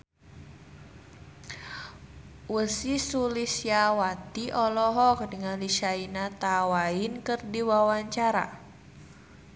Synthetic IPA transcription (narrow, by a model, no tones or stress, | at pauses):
wəsisulisjawat̪iʔɔlɔɦɔk̚dəŋanliʃainat̪awaɪnkərdiwawaɲt͡ʃaɾa̰